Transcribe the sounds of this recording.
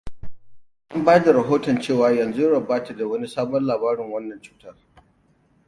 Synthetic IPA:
ʔa˦mbaː˦da˨ɾɐ˨ɦoː˦tɔ˨nt͡ʃeː˦˨waː˨˦jɐ˨nzu˦ɽɐ˨baː˦ta˨da˨wɐ˦ni˦saː˦bɔ˦nlaː˨baː˦ɾɪ˨ŋwɐ˦nːɐ˨nt͡ʃu̥ː˨tɐ˦r

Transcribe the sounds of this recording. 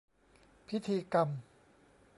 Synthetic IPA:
pʰi˦˥t̪ʰiː˧ka˧m

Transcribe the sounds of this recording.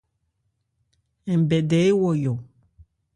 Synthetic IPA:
ɛ̃˨bɛ˨ɖɛ˨˦e˦wɔ˨jɔ˨

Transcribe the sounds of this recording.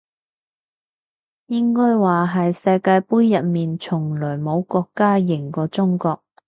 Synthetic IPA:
jɪ˥ŋkɔː˥jwaː˨ɦɐ˨jsɐ˧jkaː˧jpuː˥jːɐ˨t̚miː˨nt͡ʃʰʊ˨˩ŋlɵː˨˩jmo˨˧wkɔː˧kːaː˥jɪ˨˩ŋkɔː˧t͡sʊ˥ŋkɔː˧k̚

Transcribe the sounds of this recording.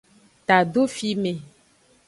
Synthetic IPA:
t̪a˨ɖo˦fi˦mẽ˨

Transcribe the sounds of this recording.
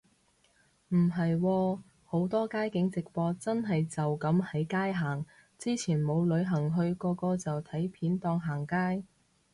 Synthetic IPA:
m̩˨˩ɦɐ˨jwɔː˧ | ho˨˥wt̪ɔː˥kaː˥jkɪ˨˥ŋt͡sɪ˨k̚pɔː˧t͡sɐ˥nɦɐ˨jt͡sɐ˨wkɐ˨˥mhɐ˨˥jkaː˥jɦaː˨˩ŋ | t͡siː˥t͡sʰiː˨˩nmo˨˧wlɵ˨˧˥ɥɦɐ˨˩ŋɦɵ˧ɥkɔː˧kɔː˧t͡sɐ˨wt̪ʰɐ˨˥jpʰiː˨˥nt̪ɔː˧ŋɦaː˨˩ŋkaː˥j

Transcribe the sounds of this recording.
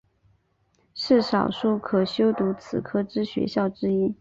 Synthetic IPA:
ʂɻ̩˥˩ʂɑ˨˩ʊʂu˥˩kʰɤ˨˩ɕjo˥ʊt̪u˧˥t͡sʰɹ̩˨˩kʰɤ˥ʈ͡ʂɻ̩˥ɕɥɛ̰˧˥ɕjɑ˥˩ʊʈ͡ʂɻ̩˥i˥

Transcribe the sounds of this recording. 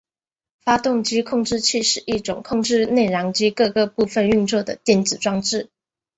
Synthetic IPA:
fa˥t̪ʊ˥˩ŋt͡ɕi˥kʰʊ˥˧ŋʈ͡ʂɻ̩˥˧t͡ɕʰi˥˧ʂɻ̩˥˧ʔi˥˩ʈ͡ʂʊ˨˩ŋkʰʊ˥˧ŋʈ͡ʂɻ̩˥˧ne˥˩ɪɻɑ˧˥ŋt͡ɕi˥kɤ˥˧kɤ˥˧pu˥˧fə˥˧ny˥˧nt͡swɔ˥˩d̪ə˩t̪jɛ˥˩nt͡sɹ̩˨˩ʈ͡ʂwɑ˥˧ŋʈ͡ʂɻ̩˥˩

